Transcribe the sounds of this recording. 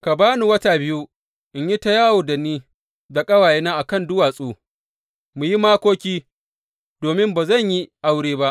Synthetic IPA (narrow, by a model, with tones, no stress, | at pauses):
ka˨baː˦nu˨wɐ˦ta˨bɪ˦ju˦ | ʔɪ˨ɲji˦ta˦jaː˦woː˨da˨niː˦ | da˨kʼɐ˦waː˨je˦naː˦ʔa˨kɐ˦˨ndʊ˦waː˨sʼoː˦ | mu˨ji˦maː˦kʷoː˦kʲiː˦ | doː˨mɪ˦mbaː˨zɐ˦˨ɲji˦ʔa˦wɽeː˦ba˦ʔ